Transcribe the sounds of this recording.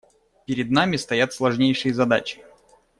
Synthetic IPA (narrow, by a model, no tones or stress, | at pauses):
pʲɪɾʲɪd̪namʲɪst̪ɐjat̪slˠɐʐnʲejʂɨjəzɐd̪at͡ɕɪ̥